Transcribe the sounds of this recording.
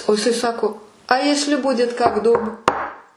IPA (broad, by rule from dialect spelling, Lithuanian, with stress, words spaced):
oː jɪˈsɐɪ ˈsɑːkoː ɐ ˈjæːsʲlʲɪ ˈbʊdʲɪt kɐk duːp